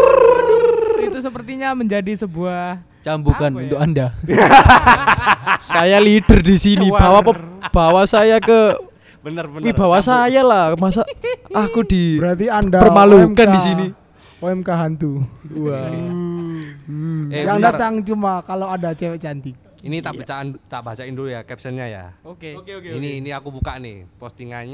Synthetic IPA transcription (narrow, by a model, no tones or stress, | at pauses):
it̪usəpərt̪iɲaməɲd͡ʒadisəbuah | t͡ʃambukanunt̪ʊkanda | sajalid̥ərdisinibawapəb̥awasajakə | brwibawasajalahmas̬aakudibəɾart̪̬iandapərmalumkanndisini | oɛmkaɦant̪ua | jaŋdat̪aŋt͡ʃumakaloadat͡ʃɛwɛt͡ʃant̪ik̚ | init̪aʔbat͡ʃandt̪aʔbat͡ʃaindojakɛpsənɲaja̰ | iniːniakubukanɪ̰pɔst̪iŋa̰ɲ